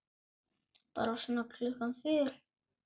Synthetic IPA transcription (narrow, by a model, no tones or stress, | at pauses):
pa̰ːɾasɔnakʰlʏɣanfɪɾ